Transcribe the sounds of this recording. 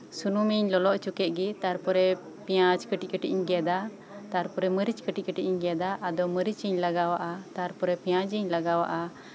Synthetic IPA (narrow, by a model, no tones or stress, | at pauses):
sunumiɲlɔlɔʔt͡ʃukɛʔ̪̚ɡit̪aɾpɔɾɛ | pijãd͡ʒkəʈikəʈḭʔiɲɡɛd̪a | t̪aɾpɔɾɛməɾit͡ʃkəʈiʔ̚kəʈiʔiɲɡɛd̪aʔːd̪ɔməɾit͡ʃiɲlaɡawaʔat̪aɾpɔɾɛpijãd͡ʒiɲlaɡawa̰ʔa